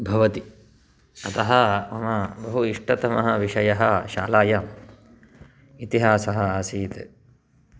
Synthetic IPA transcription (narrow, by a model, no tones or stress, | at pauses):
bʱɐʋɐt̪i | ɐt̪ɐɦɐɐmɐbɐɦuiʂʈɐt̪ɐmɐɦɐʋiʂɐjɐɦɐʃa̰ːlaːjɐm | it̪iɦaːsɐɦɐaːsiːt̪e